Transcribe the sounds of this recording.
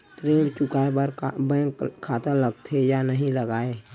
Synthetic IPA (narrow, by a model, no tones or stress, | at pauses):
t̪ɾẽːɽt͡ʃʊkaːebəɾbɛ̃kkʰːaːt̪aləɡt̪ʰejanəɦĩləɡaːe